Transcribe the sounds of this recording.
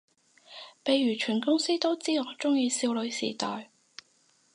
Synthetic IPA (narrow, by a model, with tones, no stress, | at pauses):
pe˨˧jɥyː˨˩t͡ʃʰyː˨˩nkʊ˥ŋsiː˥t̪o˥wt͡siː˥ŋɔː˨˧t͡sʊ˥ŋjiː˧siː˧wlɵ˨˧ɥsḭː˨˩t̪ɔː˨j